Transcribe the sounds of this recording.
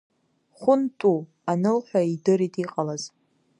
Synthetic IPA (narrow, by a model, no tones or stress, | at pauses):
χʷʊntʼu | anɨlħᶣʷaidɨɾitʼiqʼalaz